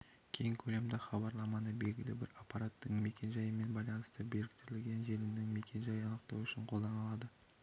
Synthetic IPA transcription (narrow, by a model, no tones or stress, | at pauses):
kʲʰe̞jɪŋkʲʰɵle̞md̪ɪχɑbɑɾlˠɑmɑnəbe̞lɡʲɪlɪ̰bɪ̰ɾapːɑɾat̪ːəɴme̞kʲʰe̞nʒɑjəme̞nbɑjlˠɑnəst̪əbe̞ɾɪk̚ʲt̪ɪɾɪlɡʲe̞nʒe̞lɪnd̪ɪŋme̞kʲe̞nʒɑjəɑnəq̚t̪ɑ̰wʏʃɪɴqʰo̞lˠd̪ɑnɑlˠɑd̪ə